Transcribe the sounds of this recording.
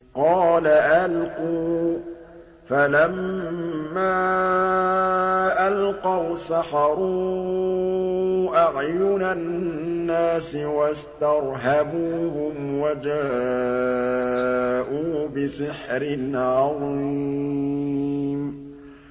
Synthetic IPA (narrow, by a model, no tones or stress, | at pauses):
qɑːlaʔalquː | falamː | aː | ʔalqɑwsaħɑɾˤu | ʔaʕjʊnanːaːsɪwast̪ɑɾˤɦabuːhʊmwad͡ʒaː | ʔuːbɪsɪħɾɪnʕɑðˤii | m